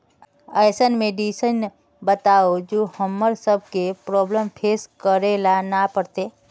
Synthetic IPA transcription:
əjsənmeɖisən | bət̪aod͡ʒoːhəmːəɾsəb̚kepɾɔːbləmpʰeːskəɾelanapəɾt̪e

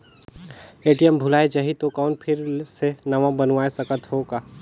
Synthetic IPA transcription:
eːʈijəmbʱʊlaːed͡ʒaɦit̪okɔːnpʰɪɾsenɐʋãbənʋaːesɐkət̪ɦoːkaː

